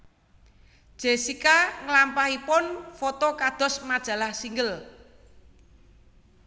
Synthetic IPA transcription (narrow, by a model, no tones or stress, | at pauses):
d̥ʒ̥e̤sikaŋəlampahipʊnfɔt̪okad̪̥ɔ̤smad̥ʒ̥ä̤lahsiŋɡəl